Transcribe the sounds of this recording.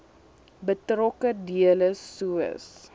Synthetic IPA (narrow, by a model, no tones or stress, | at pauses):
bətrɔkədiələsuə̰s